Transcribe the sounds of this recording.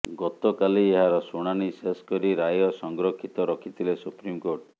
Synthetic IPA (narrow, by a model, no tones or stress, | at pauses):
ɡɔt̪ɔkalieɦaɾɔsuɽ̃añiseskɔɾiɾajɔsɔŋɡɾɔkʰit̪ɔɾɔkʰit̪ʰilesupɾimkoɾʈ